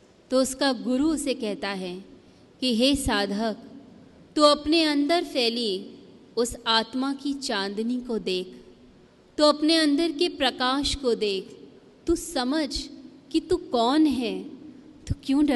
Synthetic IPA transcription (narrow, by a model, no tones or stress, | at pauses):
t̪oʊskaɡʊɾuʊsekɛɦt̪aɦɛ | kiɦeːsaːd̪ʱək | t̪uɐpneɐ̃nd̪əɾfʰɛːli | ʊsaːt̪makit͡ʃãːnd̪nikod̪eːkʰ | t̪uɐpneɐ̃nd̪əɾkepɾɐkaːʃkod̪eːkʰ | t̪usɐməd͡ʒʱkit̪ukɔːnɦɛːt̪ukjõːɖɐ